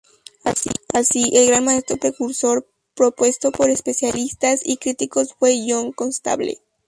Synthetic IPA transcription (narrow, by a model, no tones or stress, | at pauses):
asiʔelɣɾanmae̞st̪ɾo̞pɾe̞kuɾso̞ɾ | pɾopwe̞st̪o̞po̞ɾespe̞sjalist̪asikɾit̪iko̞sfwe̞ʝo̞ŋko̞nst̪a̰βlḛ